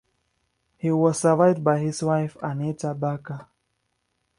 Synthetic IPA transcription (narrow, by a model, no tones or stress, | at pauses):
hiwɔz̥əvaɪvd̚bajhiswaɪfãnitabaka